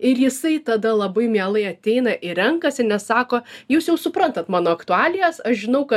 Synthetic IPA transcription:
ɪɾjɪsɐɪt̪ɐd̪ɐlˠɐbɐɪmʲiɛlˠɐɪɐt̪ʲɛɪnɐʔɪɾʲɛŋkɐsʲɪnʲɛssɑːkoːjuːsjɛʊsʊpɾɐnt̪ɐt̪mɑːnoːɐkt̪ʊɑːlʲɪjɛsɐʃʒʲɪnɐʊkɐ

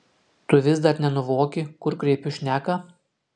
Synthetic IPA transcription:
t̪ʊʋʲɪzd̪ɐɾnʲɛnʊʋoːkʲɪkʊɾkɾʲɛɪpʲʊʃʲnʲæːkɐ

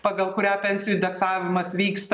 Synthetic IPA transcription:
pɐɡɐlˠkʊɾʲæːpʲɛnʲsʲɪjuɪnd̪ʲɛksɑːʋʲɪmɐsʋʲiːkst̪

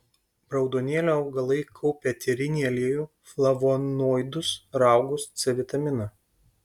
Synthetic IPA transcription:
bɾɐʊd̪oːnʲeːlʲoɐʊɡɐlˠɐɪkʰɔʊpʲɛt̪ʲɛɾʲɪnʲiːɐlʲeːjuː | flˠɐʋoːnoːjd̪ʊsɾɑˑʊɡʊst̪sʲɛʋʲɪt̪ɐmʲɪnɐ

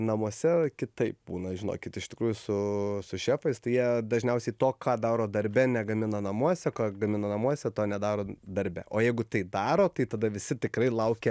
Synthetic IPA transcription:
nɐmuɔsʲɛkʲɪt̪ɐɪp̚buːnɐʒʲɪno̰ːkʲɪt̪ɪʃt̪ʲɪkɾuːjʊsʊsʊʃʲæːfɐɪst̪ɐɪjiɛd̪ɐʒʲnʲɛʊsʲɛɪt̪oːkɑːd̪ɑːɾoːd̪ɐɾʲbʲɛnʲɛɡɐmʲɪnɐnɐmuɔsʲɛkɑːɡɐmʲɪnɐːnɐmuɔsʲɛt̪oːnʲɛd̪ɑːɾoːd̪ɐɾʲbʲɛ̰ʔoːjɛɪɡʊt̪ɐɪd̪ɑːɾoːt̪ɐɪt̪ɐd̪ɐʋʲɪsʲɪt̪ʲɪkɾɐɪlˠɐʊkʲɛ

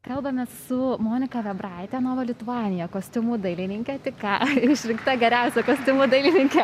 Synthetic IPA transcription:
kɐlˠbɐmʲɛssʊmoːnʲɪkɐʋʲɛbrɐɪt̪ʲɛnoːʋɐlʲɪt̪ʊɑːnʲɪjɛkoːsʲt̪ʲɪmud̪ɐɪlʲɪnʲɪŋʲkʲɛt̪ʲɪkɑɪʃʲɾʲɪŋkt̪ɐɡʲɛɾʲæʊsʲɛkoːsʲt̪ʲɪmuːd̪ɐɪlʲɪnʲɪŋʲkʲɛ

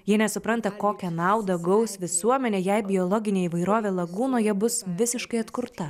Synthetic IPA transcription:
jiɛnʲɛsʊpɾɐnt̪ɐkoːkʲɛnɑˑʊd̪ɐɡɐʊsʲʋʲɪsuɔmʲɛnʲeːjɛɪbʲɪɔːlˠɔːɡʲɪnʲeːiːʋɐɪɾoːʋʲeːlˠɐɡuːnoːjɛbʊsʋʲɪsʲɪʃkɐɪɐt̪kʊɾt̪ɐ

